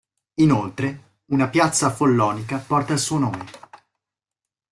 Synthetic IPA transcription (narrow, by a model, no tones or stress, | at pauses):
inolt̪ɾe | unapjat̪sːafolːɔːnikapɔrt̪aːlsuːonoːme